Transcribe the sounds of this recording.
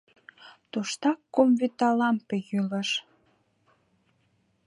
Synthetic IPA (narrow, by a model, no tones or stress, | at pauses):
t̪uʃt̪ɑkːomvyt̪ɑlɑmpejyləʃ